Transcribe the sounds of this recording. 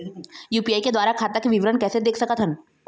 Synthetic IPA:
juːpiaːiked̪ʋaːɾakʰaːt̪akiʋɪʋɾənkɛːsed̪eːkʰsɐkət̪ɦən

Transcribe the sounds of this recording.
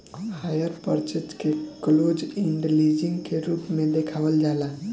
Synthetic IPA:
ɦəmɦajəɾpəɾt͡ʃəd͡ʒkekəlod͡ʒiɳɖlid͡ʒĩŋɡkeɾuːpmẽd̪ekʰaːʋəld͡ʒalãɦ

